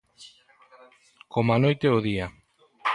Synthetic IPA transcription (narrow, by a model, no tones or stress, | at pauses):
kʰomanojt̪eoðia